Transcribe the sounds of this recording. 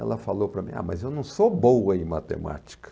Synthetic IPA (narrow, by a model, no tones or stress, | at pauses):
ɛ̰lɐfalowpɾɐmĩa̰mɐzewnɐ̃w̃sobowɐẽmat̪ḛma̰t͡ʃi̥kɐ̥